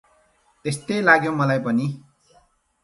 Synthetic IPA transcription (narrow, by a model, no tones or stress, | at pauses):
t̪est̪ʌjlaɡjomʌlajpʌni